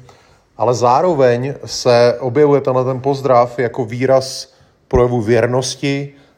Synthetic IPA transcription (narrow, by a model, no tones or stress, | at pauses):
ʔalɛzaːɾo̞vɛɲsɛʔo̞bjɛvujɛt̪ɛnlɛt̪ɛnpo̞zd̪ɾafjako̞viːɾas | pɾo̞jɛvuvjɛɾno̞scɪ